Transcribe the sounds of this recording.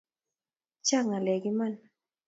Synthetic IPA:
t͡ʃa˦˨ŋa˨lɛ˨ɡi˦ma˦˨n

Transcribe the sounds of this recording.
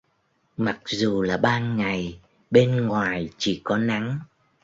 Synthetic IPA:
ma˨˩k̚zu˨˩laː˨˩ɓaː˧nŋa˨˩j | ɓe˧nŋwaː˨˩jt͡ɕi˧˩kɔ˨˦na˨˦ŋ

